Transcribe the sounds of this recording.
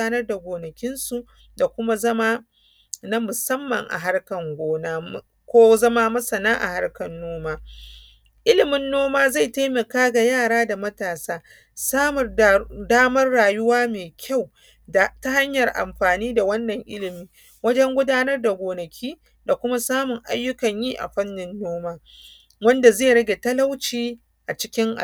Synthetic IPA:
aː˦nɐ˦rda˨ɡʷoː˨nɐ˨kʲɪ˦nsu˨ʔ | da˨kʷʊ˦ma˦zɐ˦maː˦ | na˦mʊ˨sɐ˦mːɐ̰˨ŋʔa̰˨ɦa˦ɽkɐ˨ŋɡʷoː˦naː˦˨ | kʷoː˦zɐ˦maː˦mɐ˦sɐ˨naː˦ʔa̰˨ha˦ɽkɐ˨nːoː˦maː˦ | ʔɪ˦lɪ˨mɪ˨nːoː˦maː˦za˦˨jta˦jmɐ˨kaː˦ɡa˨jaː˦˨ɽaː˦da˨mɐ˦taː˨saː˦ | sa˦m˨daː˦mɐ˦rɽaː˨jʊ˦waː˦meː˨kʲʰa˦˨w | da˨ta˦ha˦ɲjɐ˨rʔa̰˨mɸaː˨niː˦da˨wɐ˦nːɐ˨ŋʔɪ̰˦lɪ˨miː˦ | wɐ˦d͡ʒɛ˦ŋɡʷʊ˦daː˦nɐ˦rda˨ɡʷoː˨nɐ˨kʲʰiː˦ | da˨kʷʊ˦ma˦saː˦mʊ˨ŋʔa̰˦jːʊ˦kɐ˨ɲjiː˦ʔa̰˨ɸɐ˦nːɪ˦nːoː˦maː˦ | wɐ˦nda˨zeː˦˨ɾɐ˦ɡʲe˨tɐ˦la˦wt͡ʃiː˦ | ʔa˨t͡ʃɪ̥˦kʲɪ˦ŋʔa̰˨

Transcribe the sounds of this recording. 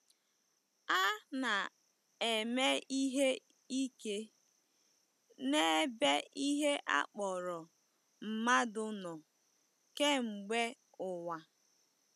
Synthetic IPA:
a˦na˨ | e˨me˦i˦ɦe˦ | i˦ke˦ | ne˦be˦i˦ɦe˦ʔa̰˦k͡pɔ˨ɾɔ˨ | m̩˨ma˦dʊ˦nɔ˨ | ke˦ŋ͡m̩˨ɡ͡be˦ | ʊ˨wa˨

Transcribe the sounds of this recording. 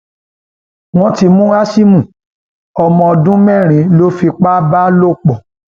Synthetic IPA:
w̃ɔ̃˦ti˧mũ˦a˦ʃi˦mũ˦˨ | ɔ˨mɔ̃˧˨dũ˦mɛ̃˦˨ɾ̃ĩ˨˦lo˦fi˧k͡pa˦ba˦lo˦k͡pɔ˨

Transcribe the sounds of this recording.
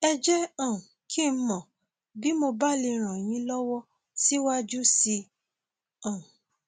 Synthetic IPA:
ɛ˧d͡ʒɛ˦ã˨kʰi˦˨m̩˦mɔ̃˨ | bi˦mo˧ba˦li˧ɾ̃ã˨j̃ĩ˧˦lɔ˦wɔ˦ | si˦wa˦d͡ʒu˦si˧ | ã˨

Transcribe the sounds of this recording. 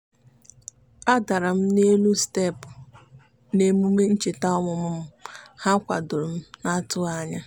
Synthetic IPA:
a˦da˨ɾa˨m̩˦ne˦lu˦ste˦˨pʊ˨ | ne˨mu˦me˦n̩˦t͡ʃe˨ta˦ɔ˦ŋʊ˨mʊ˦m̩˦ha˦kʷa̰˨dʊ˨ɾm̩˦na˦tʊ˦a˦ɲa˦

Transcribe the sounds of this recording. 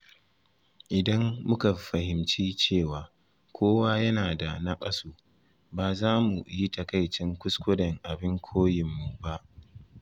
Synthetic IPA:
ʔɪ˨dɐ˦mːʊ˦ka˨ɸɐ˨hɪ˨mt͡ʃiː˦t͡ʃeː˦˨waː˨ | kʷʰoː˦waː˦jɐ˦naː˨da˨na˦kʼɐ˦soː˨ | baː˨zaː˦mu˨ji˦tɐ˨ka˦˨jt͡ʃɪ˦ŋkʷʊ˦skʷʊ˦dɐ˨ŋʔa˨bɪ˦ŋkʷʰoː˦jɪ˨mːu˨ba˦ʔ

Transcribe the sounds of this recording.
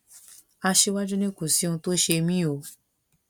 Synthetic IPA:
a˧ʃe˧˦wa˦d͡ʒu˦nĩ˦ku˦˨si˨˦ũ˧to˦ʃe˧mĩ˦o˨˦

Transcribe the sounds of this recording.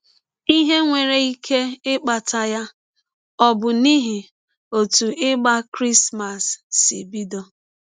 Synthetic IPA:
i˦ɦe˦ŋʷe˨ɾe˨i˦kʰe˦ɪ˦k͡pa˨tʰa˨ja˦ | ɔ˦bʊ˨ni˦ɦɪ˨ | o˨tu˨ʔɪ˦ɡ͡ba˦kɾi˦sma˨sːi˨bi˦do˨

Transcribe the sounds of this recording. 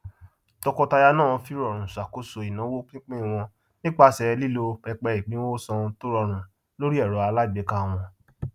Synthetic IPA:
tɔ˧kɔ˧ta˧ja˧nãː˦˨ɔ̃˧fi˦ɾɔ˨ɾ̃ũ˨sa˨ko˦so˧i˨nã˨˦wo˦k͡pĩ˦k͡pẽ˦˨w̃ɔ̃˧ | nĩ˦k͡pa˦˨sɛ˨ɛ˧li˦lo˧k͡pɛ˧k͡pɛ˧i˨ɡ͡bĩ˦wo˦sɔ̃˧to˦ɾɔ˧˨ɾ̃ũ˨ | lo˦ɾi˦ɛ˦˨ɾɔ˨˦a˧la˦i˨bɛ˨˦kã˦˧w̃ɔ̃˧

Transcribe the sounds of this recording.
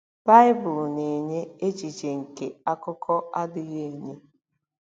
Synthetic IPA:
ba˦ɪ˦bʊ˨lne˨ɲe˦e˦t͡ʃi˨t͡ʃe˨ŋ̩˨ke˨a˦kʊ˦kʰɔ˦a˦dʊ˨ɣe˦e˨ɲe˦

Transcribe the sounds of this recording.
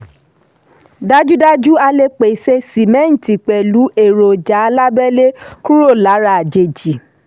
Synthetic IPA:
da˦d͡ʒu˦da˦d͡ʒu˦a˧le˦k͡pe˨se˧si˨mɛ̃˦n̩˨ti˨k͡pɛ˨lu˨˦ʔe˦˨ɾo˨d͡ʒa˨˦a˧la˦bɛ˦le˦ku˦ɾo˦˨la˨˦ɾa˦˨d͡ʒe˨d͡ʒi˨

